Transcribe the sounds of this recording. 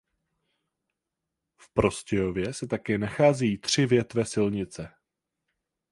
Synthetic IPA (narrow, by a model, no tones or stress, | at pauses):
fpɾo̞scɛjo̞vjɛsɛt̪akɛːnaxaːzɛjiːt̪r̝̥ɪvjɛt̪vɛsɪlɲɪt͡sɛ